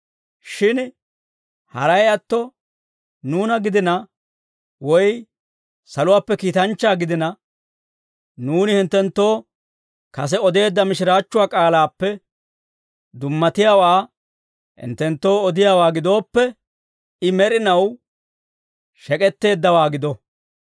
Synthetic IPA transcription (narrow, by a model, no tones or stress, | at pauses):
ʃɪn | hɐ̰ɾɐjɐt̪ːɔ | nuːnɐɡɪd̪ɪnɐ | wɔj | sɐlʊwaːpːɛkiːt̪ɐnt͡ʃːaːɡɪd̪ɪnɐ | nuːnɪhɪnt̪ːɛnt̪ːo̞ː | kɐs̬ɛɔd̪e̞ːd̪ːɐmɪʃɪɾaːt͡ʃːʊwaːkʼaːlaːpːɛ | d̪ʊmːɐt̪ɪjaːwaː | hɪ̰nt̪ːɛnt̪ːo̞ːɔd̪ɪjaːwaːɡɪd̪o̞ːpːɛ | ɪmɛɾɪnɐw | ʃɛkʼɛt̪ːe̞ːd̪ːɐwaːɡɪd̪ɔ